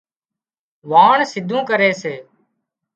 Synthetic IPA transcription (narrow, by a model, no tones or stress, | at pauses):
ʋaːɳsɪd̪ʱũːkəɾeːseː